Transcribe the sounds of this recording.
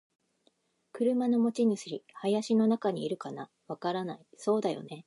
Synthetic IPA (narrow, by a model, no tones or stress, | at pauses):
kɯ̟ɾɯ̟mano̞mo̞t͡ɕiɲ̟isɨɾʲihajaɕino̞nakaɲ̟iːɾɯ̟kana | βakaɾanaiso̞ːd̪ajo̞̰ne̞